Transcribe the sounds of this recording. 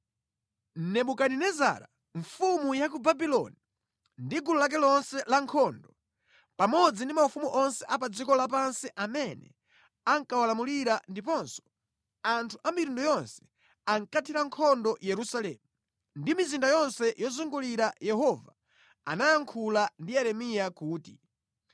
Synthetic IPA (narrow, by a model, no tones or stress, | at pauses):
nɛɓukaninɛza̰ɾa̰ | ɱfumujak̬ubabilɔ̰ni | ndiɡululak̬ɛlɔnsɛlaŋkʰɔndɔ | pamɔd͡zindimaufumuʔɔnsɛʔapad͡zikɔlap̬ansiʔamɛnɛ̰ | aŋkawalamuliɾandipɔnsɔ̥ | antʰuʔamiɾundɔjɔnsɛ̥ | aŋkatʰiɾaŋkʰɔndɔjɛɾusalɛːmu | ndimizindajɔnsɛjɔzuŋɡuliɾajɛɦɔva̰ | a̰najaŋkʰulandiɛɾɛmijakuːti